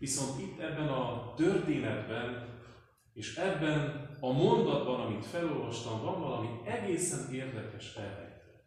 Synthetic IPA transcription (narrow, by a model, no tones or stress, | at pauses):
viso̞nt̪it̪ːɛbːɛnɒt̪ørt̪eːnɛd̪bɛn | eːʃɛbːɛnɒmo̞nd̪ɒd̪bɒnɒmit̪fɛlo̞lvɒʃt̪ɒɱvɒɱvɒlɒmiɛɡeːsɛneːrd̪ɛkɛʃɛlːɛ̰jt̪